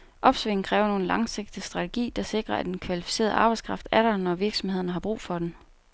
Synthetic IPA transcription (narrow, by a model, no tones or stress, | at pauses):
ʔɒ̽b̥sʋeŋ̩kʰʁɛːʊɐno̝ːn̩lɑ̈ŋse̝ɡ̥̚d̥isd̥ʁɑ̈t͡sʰeɡ̥ḭːd̥ɑ̈se̝ɡ̥ʁɐæd̥enkʰʋælifi̥se̝̰ːɐð̩ˠɑ̈ːb̥ɑ̈ɪskʰʁɑ̈fd̥æɐɾɐnɒʋiɐɡ̥sɒ̽mhe̝ð̞̰ˠɐnəɦɑ̈b̥ʁṵːfɒ̽d̥en